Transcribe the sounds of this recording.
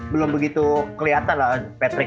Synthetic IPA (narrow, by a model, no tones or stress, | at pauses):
bəlʊmbəɡit̪ukəliɦat̪anlahpɛt̪ɾɪ